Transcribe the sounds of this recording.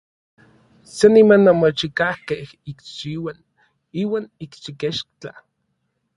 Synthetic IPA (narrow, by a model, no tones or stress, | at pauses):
senimanːomot͡ʃikahkeh | ikt͡ʃiwan | iːwaːnikt͡ʃikeʃt͡ɬa